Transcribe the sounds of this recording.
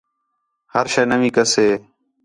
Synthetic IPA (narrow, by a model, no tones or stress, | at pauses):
həɾʃeːnəʋĩːkəseː